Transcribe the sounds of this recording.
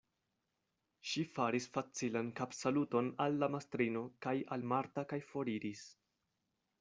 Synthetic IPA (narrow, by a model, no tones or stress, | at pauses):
ʃifaɾisfat͡silankapsaluto̞nalːamastɾino̞kajalmaɾtakajfo̞ɾiɾis